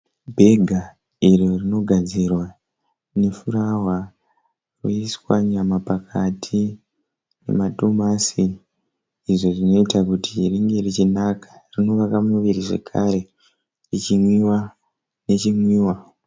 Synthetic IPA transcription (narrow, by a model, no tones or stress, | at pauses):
bʱe̞ɡʱa | iririno̞ɡʱad͡zirwa | ne̞fuɾawa | ruiswaɲamapakʰatʰi | ne̞̰mato̞masiː | ʐo̞ʐino̞itakutiriŋɡe̞rit͡ʃinakḁrino̞ʋakamuʋiriʐe̞̰kʰaɾe̞ | rit͡ʃimwiwa | ne̞t͡ʃimwiːwa